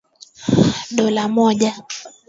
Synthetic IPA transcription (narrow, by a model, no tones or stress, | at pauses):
ɗɔlamɔʄa